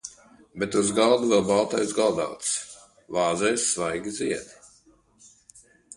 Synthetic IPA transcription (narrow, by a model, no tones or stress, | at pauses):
bɛt̪uzɡalˠd̪uvɛlˠbalˠt̪ajzɡalˠd̪a̰wt̪s | vaːzɛjsːvajɡʲid̪zʲiɛd̪i